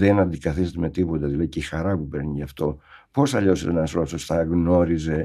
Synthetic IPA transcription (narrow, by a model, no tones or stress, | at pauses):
ðenɐnd̪ikɐθist̪ɐt̪eme̞t̪ipo̞t̪ɐðilɐðiceixɐɾɐpupe̞ɾniʝɐft̪o̞po̞sɐʎo̞set̪nɐsɾosost̪ɐɣno̞ɾize̞